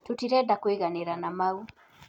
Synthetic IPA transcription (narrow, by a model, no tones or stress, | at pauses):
tutiɾɛdakweɣaneɾanamau